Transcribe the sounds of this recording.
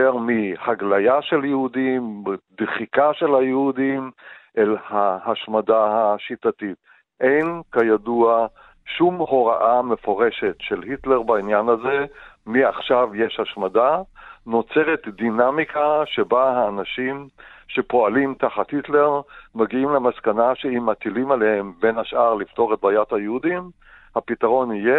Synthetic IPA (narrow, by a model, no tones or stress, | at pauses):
eʁmihaɡlajaʃeljehudimd̪χikaʃe̞lhajehudimʔelhahaʃmadahaʃitatit̚ | ʔe̞jnkajadua | ʃumho̞ʁaʔame̞foʁe̞ʃetʃe̞lhitleʁbainjanaze̞miaχʃavje̞ʃhaʃmadano̞t͡seʁetdinamikaʃe̞baɦaːnaʃimʃe̞po̞alimtaχathitle̞ʁmaɡiimlemaskanaʃeimːatilimalehembe̞nhaʃʔaʁlifto̞ʁet̪̚bajathajehudim | hapitaʁo̞nhije